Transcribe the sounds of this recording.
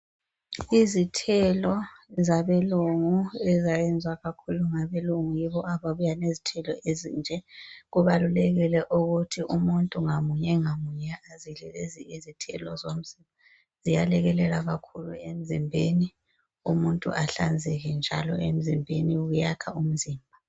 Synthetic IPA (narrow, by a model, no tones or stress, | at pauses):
izitʰɛlɔzaβɛluŋuɛzajɛnd͡zʱwaɣakʰuluŋaβɛluŋujiβɔaβaβujanezitʰɛlɔezḭnd͡ʒʱɛɣuβalulɛɣilɛʔuɣutʰiʔumuntʼuŋamuɲɛŋamuɲɛazilɛleziizitʰɛ̰lɔzom̩z̥imba | z̥ijalɛɣɛlɛlaɣakʰuluem̩zimbʱeni | umuntʼṵʔaɬand͡zʱɛɣɛnd͡ʒʱalɔ̰em̩zimbʱeniɣujakʰaum̩ziːmbʱa